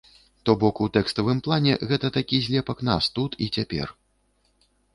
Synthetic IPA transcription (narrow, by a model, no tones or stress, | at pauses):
t̪ɔbɔkut̪ɛkst̪ɐvɨmplˠanʲɛ̰ɣɛt̪ɐt̪akʲizʲlʲɛpɐkna̰st̪ut̪ʰit͡sʲapʲɛ̰r